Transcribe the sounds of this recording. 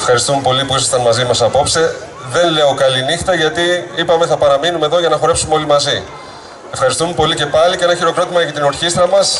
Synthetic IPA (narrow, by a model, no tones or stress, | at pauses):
efxɐɾist̪ume̞po̞lipuisɐst̪ɐnmɐzimɐsɐpo̞pse̞ | ðe̞nle̞o̞kɐlinixt̪ɐʝɐt̪iipɐme̞θɐpɐɾɐminumeðo̞ʝɐnɐxo̞ɾe̞psumeo̞limɐzi | e̞fxɐɾist̪ume̞po̞lice̞pɐlicee̞nɐçiɾo̞kɾot̪imɐʝɐt̪ino̞ɾçist̪ɾɐmɐs